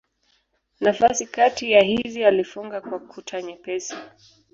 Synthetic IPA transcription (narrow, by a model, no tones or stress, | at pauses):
nafasikatijaɦizialifuŋɡakwakʰutʰaɲɛpɛsi